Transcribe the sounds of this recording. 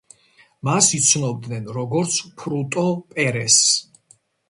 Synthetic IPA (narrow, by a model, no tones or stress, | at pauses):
masit̪sʰnɔb̚d̪nɛnɾɔɡɔɾt̪sʰpʰɾut̪ʼɔpʼɛɾɛs